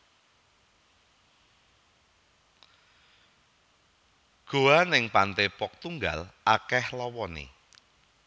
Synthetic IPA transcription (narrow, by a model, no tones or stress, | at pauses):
ɡ̥o̤anɪŋpant̪epɔk̚t̪uŋɡa̰lakɛhlɔwɔnḛ